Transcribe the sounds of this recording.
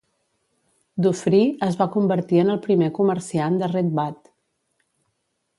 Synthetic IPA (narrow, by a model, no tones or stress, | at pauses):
d̪ufɾiəzβakumbəɾt̪iənəlˠpɾimekuməɾsiand̪əred̪̚bat̪